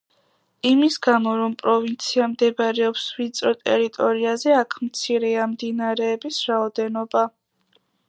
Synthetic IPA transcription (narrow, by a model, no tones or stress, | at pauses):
imisɡamɔɾɔmpʼɾɔvint̪sʰiamd̪ɛbaɾɛɔpsvit̪sʼɾɔt̪ʼɛ̰ɾit̪ʼɔɾiazɛakʰmt̪sʰiɾɛamd̪inaɾɛːbisɾaɔd̪ɛnɔba